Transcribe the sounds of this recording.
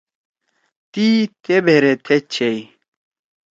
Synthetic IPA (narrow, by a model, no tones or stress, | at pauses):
t̪it̪ebʱeɾet̪ʰet͡ɕʰej